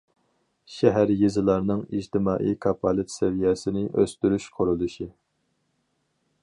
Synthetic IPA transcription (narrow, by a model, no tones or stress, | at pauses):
ʃɛɦæɾjezɨlˠɑɾnɨŋḭd͡ʒt̪ʰɪmɑːʔḭjkʰɑpʰɑlˠɨt̪sɛvijɛsɪnɪʔøst̪yɾyʃqʰʊɾulˠuʃi